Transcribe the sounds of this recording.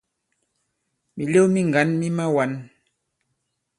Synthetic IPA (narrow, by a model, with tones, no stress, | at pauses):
mi˨le˦mi˦ŋ˨ɡa˨˦nmi˦ma˦wa˨˦n